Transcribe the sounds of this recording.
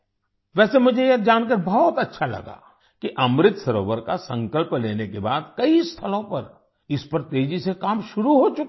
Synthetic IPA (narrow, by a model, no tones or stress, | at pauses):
ʋɛːsemʊd͡ʒʱejɐd͡ʒaːnk̬ɐɾbɔːt̪ɐtːʃʰalɐ̰ɡa̰ː | kiʔɐmɾɪt̪sɐɾo̰ːʋəɾkasɐ̃ŋkəlpleːnekebaːd̪kɐist̪ʰɐlõpɐɾ | ɪspɐɾt̪eːd͡ʒisekaːmʃʊɾuɦot͡ʃʊk